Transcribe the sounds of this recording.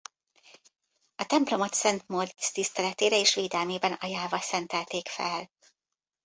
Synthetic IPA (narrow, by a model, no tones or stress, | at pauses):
ɒt̪ɛmplo̞mɒt̪sɛnt̪mord̪st̪ist̪ɛlɛt̪eːɾɛeːʃʋeːd̪ɛlmeːbɛnɒjaːvɒlsɛnt̪ɛlt̪eːkfɛl